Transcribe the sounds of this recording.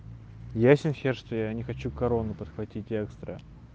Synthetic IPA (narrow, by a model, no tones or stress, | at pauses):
jasʲɪnxʲerʂt̪ojanʲɪxɐt͡ɕukɐɾo̞nːʊpət̪xvɐtʲitʲɛkst̪ɾə̰